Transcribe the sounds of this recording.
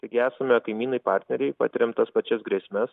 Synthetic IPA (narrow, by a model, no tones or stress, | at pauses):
t̪ɐɪɡʲɪæːsɐmʲɛkɐɪmʲiːnɐɪpɑːɾʲt̪ʲnʲɛɾʲɛɪpɑ̰ːt̪ʲɪɾʲɛmt̪ɐspɐt͡ʃʲɛsɡɾʲɛsʲmʲɛs